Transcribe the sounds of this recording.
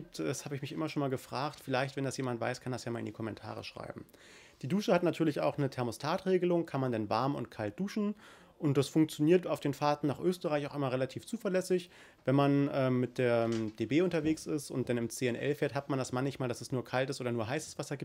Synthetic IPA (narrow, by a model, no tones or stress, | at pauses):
iːp̚tɛshaːbəɪçmɪçʔɪmɐʃoːnmaːlɡəfʁ̥aːxtfɪlaɪçtv̥ɛndasjeːmantv̥a̰ɪskʰandasjaːmaːlʔɪ̰ndiːkʰɔmɛntʰa̰ːʁ̞ə̰ʃʁ̥a̰ɪbm̩ | d̥iːduːʃəhatnatʰyːɐlɪça̰ʊxχnətʰɛɐmostʰaːtʁ̥eːɡəlʊŋkʰanmandanva̰ɐmʊ̰ntkʰalt̚d̥uːʃn̩ | ʔʊntd̥asfʊŋkt͡sjoniːɐtaʊfd̥eːnfaɐtn̩naːχʔøːstəʁaɪçaʊxʔɪmɐʁelatʰiːft͡suːfɐlɛsɪç | vɛnmanʔɛːmmɪt̚d̥eːɐd̥eːbeːʊntɐveːksɪstʊ̰nt̚d̥anɪmt͡seːɛnʔɛ̰lfɛːɐthatmandasmançmaːldasɛsnuːɐkʰaltəsʔoːdɐnuːɐɦaɪsəsv̥asɐɡiːt